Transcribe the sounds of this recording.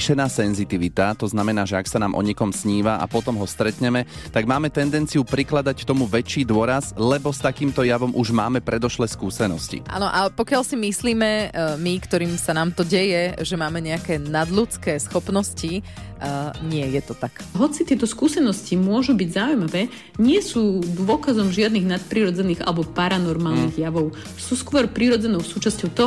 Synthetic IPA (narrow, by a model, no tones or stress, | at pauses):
ʃɛnaːsɛnzit̪iʋit̪at̪ɔznamɛnaːʒɛaksanaːmʔɔ̰ɲɛkɔmsɲiːʋaʔa̰pɔt̪ɔmɦɔst̪ɾɛt̪ɲɛmɛt̪aɡmaːmɛt̪ɛnd̪ɛnt͡siupɾiklad̪ackt̪ɔmuʋɛt͡ʃːiːd̪ʊɔɾazlɛbɔst̪akiːmt̪ɔjaʋɔmʔuʒma̰ːmɛpɾɛd̪ɔʃlɛskuːsɛnɔscḭʔa̰ːnɔʔapɔkɪaʎsimisliːmɛmikt̪ɔɾiːmsanaːmt̪ɔɟɛjɛʒɛmaːmɛɲɛakɛːnad̪ʎut͡skɛːsxɔpnɔsci | ɲɪɛjɛt̪ɔt̪akɦɔt͡sit̪ɪɛt̪ɔskuːsɛnɔscimʊɔʒubiɟzaujmaʋɛː | ɲɪɛsuːd̪ʋʊɔkazɔmʒɪad̪niɣnat̪̚pɾiɾɔd͡zɛniːɣa̰lɛbɔpaɾanɔɾmaːlˠniɣjaʋɔʊ | suːskʊɔɾpɾiɾɔd͡zɛnɔʊsuːt͡ʃascɔʊt̪ɔ